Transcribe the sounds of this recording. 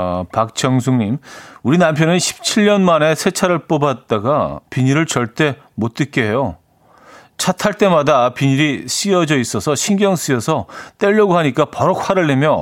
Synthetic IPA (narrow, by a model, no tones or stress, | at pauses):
pak̚t͡ɕ͈ʌŋsʰuŋɲimuɾinampʰjʌnɯnɕʰi̥p̚t͡ɕʰiʎːʌnmane̞sʰe̞t͡ɕʰaɾɯɭp͈obat̚t͈aɡapiɲiɾɯɭt͡ɕʌɭt͈e̞ | mot͈ɯk͈eɦe̞jo | t͡ɕʰatʰaɭt͈e̞madapiɲiɾiɕ͈iʌd͡ʑʌis͈ʌsʰʌɕʰinɡjʌŋs͈ijʌsʰʌt͈e̞ʎːʌɡoɦaɲik͈apʌɾʌk̚hwaɾɯɭːemjʌ